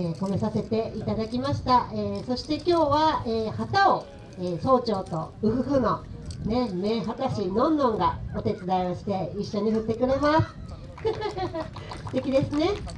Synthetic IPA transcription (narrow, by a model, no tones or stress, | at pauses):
eko̞me̞sase̞t̪e̞it̪ad̪akʲimaɕi̥t̪aeːso̞ɕi̥t̪e̞kʲo̞ːβaeːhat̪ao | eːso̞ːt͡ɕo̞ːt̪o̞̰ɯ̟ɸɯ̟ɸɯ̟none̞me̞ɦat̪aɕinõ̞nːõ̞ŋɡao̞t̪e̞t͡sɨd̪aioɕi̥t̪e̞iɕːo̞ɲ̟iɸɯ̟t̪ːe̞kɯ̟ɾe̞masɨ̥ | st̪e̞kʲid̪e̞sɨne̞